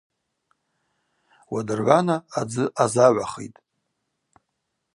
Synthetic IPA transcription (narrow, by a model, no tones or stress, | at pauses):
wadɨrʕʷanaːd͡zɨʔazaʕʷaχḛjtʼ